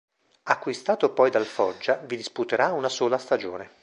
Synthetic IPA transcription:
akːwist̪aːt̪opɔjd̪alfɔd͡ʒːavid̪isput̪eɾaunasoːlast̪ad͡ʒo̰ːne

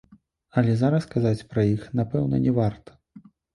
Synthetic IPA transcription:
ɐlʲɛzaɾɐskazat͡sʲpɾɐjixnapɛwnɐnʲɛvart̪ɐ̥

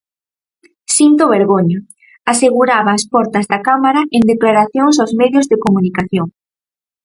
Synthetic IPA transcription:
sint̪oβeɾɣoɲo | aseɣuɾaβaːspɔɾt̪ɐzðakamaɾaʔend̪eklaɾaθjoŋs̬awzmɛðjozðekomunikaθjoŋ

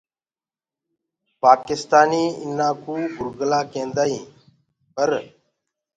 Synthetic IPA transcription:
paːkɪst̪aːniːɪnːãːkuːbʱʊɾɡəlaːkẽːnd̪aːĩː | pəɾ

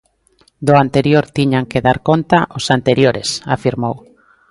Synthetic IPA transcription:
d̪ʊant̪eɾjoɾt̪iɲaŋkeðaɾkont̪aʔosant̪eɾjoɾesa̰fiɾmow

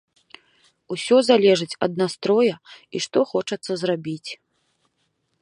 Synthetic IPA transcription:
usʲɔzalʲɛʐɨt͡sʲɐ̰d̪̚nast̪ɾɔjɐiʂt̪ɔxɔt͡ʂɐt̪sːɐzrabʲit͡sʲ

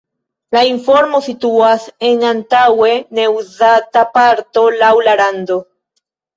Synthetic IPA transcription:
laiɱfo̞ɾmo̞sit̪uaseŋant̪awe̞ne̞uzatapaɾt̪o̞lawlaɾand̪o̞

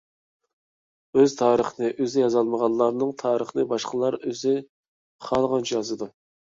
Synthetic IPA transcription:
øzt̪ʰɑːɾəχənɨʔøzɪjɑzɑlˠməʁɑlˠɑɾnɨŋt̪ʰɑːɾəχnɨbɑʃqəlˠɑɾøzɪ | χɑlˠʁɑnt͡ʃʰjɑzɨd̪u

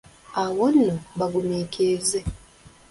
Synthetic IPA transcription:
awonːoβaɡumiːkʰeːze

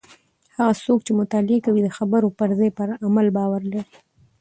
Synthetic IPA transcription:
haɣasokt͡ʃemʊt̪ɑlɪekawid̪əxabəɾopəɾzajpəɾʔamalbɑwaɾlaɾi

